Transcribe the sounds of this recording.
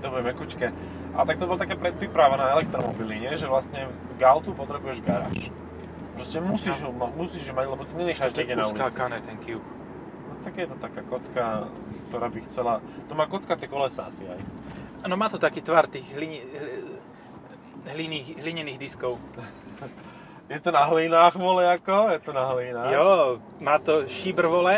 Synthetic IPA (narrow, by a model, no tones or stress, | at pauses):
d̪ɔbɾɛmɛkut͡ʃkɛ | ʔa̰t̪ak̚t̪ɔbɔlat̪akaːpɾɛt̪̚pɾipɾaʋanaːɛlɛk̚t̪ɾɔmɔ̰biliɲɛʒɛʋlasɲɛ | ɡalt̪upɔt̪ɾɛbujɛʒɡaɾa̰ːʃ | pɾɔscɛmusiːʒɦɔmamusiːʒɦɔmaɟlɛbɔt̪ɔɲɛɲɛxaʒnɛɡɛnaulikakanɛt̪ɛnkiuk | nɔt̪aɡjɛt̪ɔt̪akaːkɔt͡ska | kt̪ɔɾaːbixt͡sɛlat̪ɔmaːkɔt͡skat̪ɛkɔlɛsa̰sia̰janɔmaːt̪ɔt̪akiːt̪ʋaɾt̪iːɣɦliɲɦ | ɦliniːxɦliɲɛniːɣd̪iskɔʊ | jɛt̪ɔnaɦliːnaːxʋɔlɛakɔjɛt̪ɔnaɦliːnaːjɔ | maːt̪ɔʃiːbr̩ʋɔlɛ